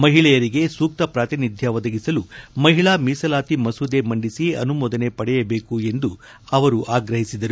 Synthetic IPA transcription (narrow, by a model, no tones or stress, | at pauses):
mɐɦiɭɛjɐɾiɡe̞suːk̚t̪ɐpɾaːt̪inid̪ʱjɐʋɐd̪ɐɡisɐlumɐɦiɭaːmiːsɐlaːt̪imɐsuːd̪e̞mɐɳɖisiɐ̰numɔːd̪ɐne̞pɐɽɛjɐbe̞ːkue̞nd̪u | ɐʋɐɾuʔaːɡɾɐɦisid̪ɐɾu